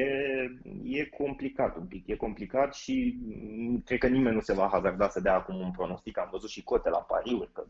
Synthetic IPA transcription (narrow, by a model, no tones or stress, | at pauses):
je | je̞kʰo̞mplikat̪umpikje̞ko̞mplikat̪ʃi | kɾed̪̚kənime̞nːuse̞vaɦazard̪asəd̪eaːkumunpɾo̞no̞st̪ikamvəzut̪ʃiko̞t̪e̞la̰pa̰ɾiurʲkə